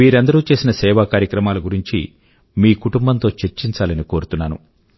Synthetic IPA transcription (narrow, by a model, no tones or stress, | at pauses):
iːɾɐnd̪ɐɾuːt͡ʃe̞ːsinɐsɛːʋaːkaːɾjɐkɾɐmaːluɡuɾiɲt͡ʃḭ | miːkuʈumbɐnt̪o̞ːt͡ʃe̞ɾt͡ʃiɲt͡ʃaːlɐniko̞ːɾut̪unːaːnṵ